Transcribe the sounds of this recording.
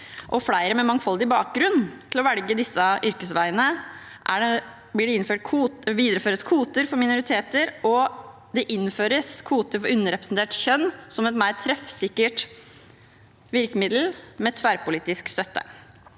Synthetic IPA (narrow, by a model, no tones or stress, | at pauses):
ʔɔflæɪɾəmɛmɑŋːfɔld̪ɪbɑːk̚ɡɾʉnt̪ʰɪlɔʋɛlɡəd̪ɪsːəʔʏɾkəsʋæɪənəʔæ̰ɖɛ | blɪɖɛɪnføːʈkʰuʋiːd̪ɾəføːɾəskʰuːt̪əɾfɔɾmɪnʊɾɪt̪ʰeːt̪əɾʔɔ | d̪ɛʔɪnføːɾəskʰuːt̪əɾfɔɾʉnːəɾɛpɾəsnt̪ʰeːʈçœnːsɔmɛt̪mæɪɾt̪ʰɾɛfsɪkːəʈ | ʋɪɾkəmɪd̪l̩mɛt̪ʰʋæɾpʊliːt̪ɪskst̪œt̪ːə̰